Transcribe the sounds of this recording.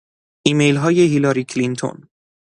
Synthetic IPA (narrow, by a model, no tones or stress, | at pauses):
ʔiːmejlɦɒːjeɦilɒɾiːkʰlint̪ʰo̰n